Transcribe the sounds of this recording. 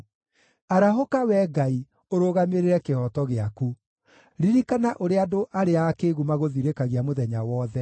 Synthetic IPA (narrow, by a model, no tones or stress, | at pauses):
aɾaɦokawɛɡai | oɾoːɣameɾeɾɛkehɔtɔɣeaku | ɾiɾikanaʔoɾeadoʔaɾeakeɣumaɣoðiɾekaɣiamoðɛɲawɔðɛ